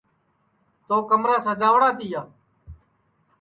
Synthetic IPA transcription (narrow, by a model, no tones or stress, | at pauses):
t̪oːkəmɾãːsãːd͡ʒaːʋɽaːt̪iːjaː